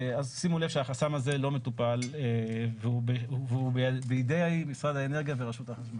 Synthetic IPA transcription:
azsimulevʃeaχasamaze̞lo̞me̞t̪upaleveubeveubebeid̪ejaimisʁad̪aeneʁɡijaveʁaʃut̪aχaʃma

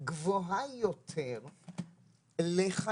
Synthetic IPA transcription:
ɡvoɦajot̪ʰeʁ | leχa

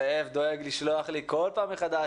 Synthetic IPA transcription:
evd̪o̞eɡliʃlo̞aχlikolpaːmːeχad̪a

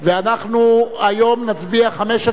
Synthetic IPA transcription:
veanaχnuajo̞mnat͡sbiaχameʃe

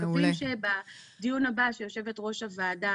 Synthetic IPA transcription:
fimʃeba | dijunabaʃe̞jo̞ʃe̞vetʁo̞ʃavaːda

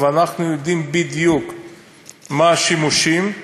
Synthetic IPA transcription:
veanaχnujod̪imbid̪juk | maʃimuʃim

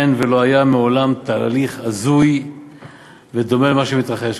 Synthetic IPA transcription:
nvelo̞ajameo̞lamt̪aːliχazuj | ved̪o̞melemaʃemit̪ʁaχeʃ

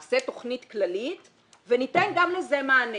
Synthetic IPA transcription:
set̪o̞χnitklalit̪ | venitenɡamlezemaːne

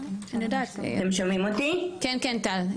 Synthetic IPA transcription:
anod̪a̰emʃomimot̪ikenkent̪al

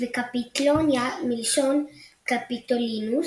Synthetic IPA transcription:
vekapit̪lonjamilʃonkapit̪olinu

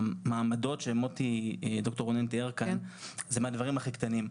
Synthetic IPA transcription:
maːmado̞tʃemot̪id̪okt̪oʁonent̪ieʁkanzemeadvaʁimaχikt̪anim

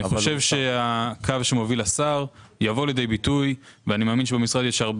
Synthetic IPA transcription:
niχoʃevʃe̞akʰavʃemo̞vilasaʁjavo̞led̪ejbitujveanimaːminʃ̬ebemisʁad̪jeʃaʁb

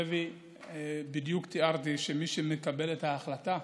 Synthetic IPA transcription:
evi | bid̪jukt̪iaʁt̪iʃemiʃeme̞kabe̞let̪haːχlat̪a

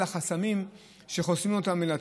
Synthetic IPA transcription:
laχasamim | ʃe̞χosimo̞t̪amelat

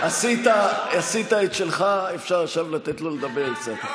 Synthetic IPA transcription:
asit̪aasit̪aet̪ʃelχaefʃaʁaʃavlat̪et̪loled̪abeʁkt͡sat̪

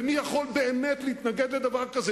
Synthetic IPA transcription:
nijaχo̞lbe̞ːmet̪leit̪naɡed̪le̞d̪avaʁkaze

